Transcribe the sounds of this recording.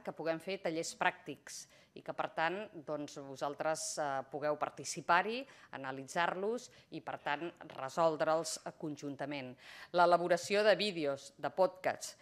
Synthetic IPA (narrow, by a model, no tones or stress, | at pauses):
kəpuɣɛmfet̪əʎespɾak̚t̪iks | ḭkəpəɾt̪and̪ɔnzβuzalˠt̪ɾəzpuɣɛwpə̰ɾt̪isipaɾiə̰nəlid͡zarluzipəɾt̪anrə̰zɔlˠd̪ɾəlˠskunʲʒunt̪əmenləːləβ̞uɾəsioðəβiðeozd̪əpɔt̪ka̰s